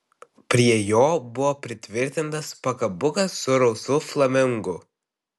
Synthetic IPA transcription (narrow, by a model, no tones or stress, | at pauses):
pʲɾʲiɛjoːbʊʋoːpʲɾʲɪt̪ʲʋʲɪɾʲt̪ʲɪnt̪ɐspɐkɐbʊkɐsːʊɾɔʊsʊflˠɐmʲɪŋɡʊ